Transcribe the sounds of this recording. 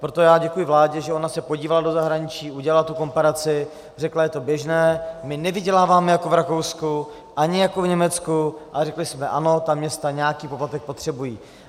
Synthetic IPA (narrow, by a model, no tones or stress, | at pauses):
pɾo̞t̪o̞jaːɟɛkujɪvlaːɟɛʒɛo̞nasɛpoɟiːvalado̞zaɦɾaɲɪt͡ʃiːʔuɟɛlalat̪uko̞mpaɾat͡sɪ | r̝ɛklajɛt̪o̞bjɛʒnɛːmɪnɛvɪɟɛlaːvaːmɛjako̞vɾako̞wsku | ʔaɲɪjakovɲɛmɛt͡skuʔarɛklɪsmɛʔano̞t̪amɲɛst̪aɲɛjakiːpoplat̪ɛk̚po̞t̪r̝̥ɛbujiː